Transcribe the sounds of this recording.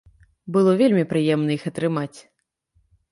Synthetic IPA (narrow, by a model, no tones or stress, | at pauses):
bɨlˠɔvʲelʲmʲipɾɨjɛmnɐixɐt̪ɾɨmat͡sʲ